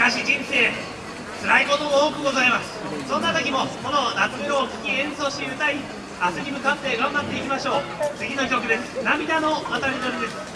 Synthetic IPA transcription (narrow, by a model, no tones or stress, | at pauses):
kaɕid͡ʑĩñse̞ː | t͡sɨɾaiko̞t̪ooːkɯ̟ɡo̞zaimasɨ̥sõ̞nːat̪okʲimo̞ko̞no̞nat͡sɨid̪oːkʲi̥kʲiẽ̞so̞ːɕi̥t̪eɯ̟t̪ai | asɨmʲimɯ̟kat̪ːe̞ɡãmbat̪ːe̞ikʲimaɕo̞ːt͡sɨɡʲino̞kʲo̞kɯ̟d̪e̞sɨ̥namʲid̪ano̞βat̪aɾʲid̪oɾid̪e̞sɨ̥